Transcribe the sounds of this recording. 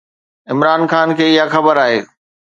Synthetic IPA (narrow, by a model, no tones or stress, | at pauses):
ɪmɾaːnxaːnkʰeːɪɦaxɐbəɾaːɦeː